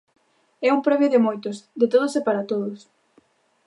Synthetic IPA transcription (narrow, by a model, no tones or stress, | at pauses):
ɛuŋpɾɛmjoðɪmojt̪ʊsd̪ɪt̪oð̞osepaɾat̪oðʊs